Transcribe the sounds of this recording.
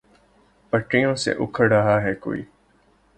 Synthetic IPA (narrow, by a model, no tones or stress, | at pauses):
pɐʈːijõːsḛ̃ʔʊkʰəɽɐɦaɦɛːko̰ːḭː